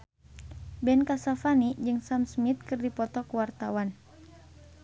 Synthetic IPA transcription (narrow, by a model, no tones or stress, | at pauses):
bɛnkasafanid͡ʒɨŋsamsmit̪̚kɨrdipɔt̪ɔkuwart̪awan